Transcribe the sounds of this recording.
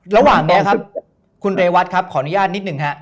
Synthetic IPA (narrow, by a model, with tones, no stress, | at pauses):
ɾa˧waː˨˩ŋni˦˥ɐkʰa˦˥p̚ | kʰu˧nɾeː˧wa˦˥t̪̚kʰa˦˥p̚kʰɔː˩˦nu˦˥jaː˥˩t̪̚ni˦˥t̪̚nɯ˨˩ŋɦa˦˥ʔ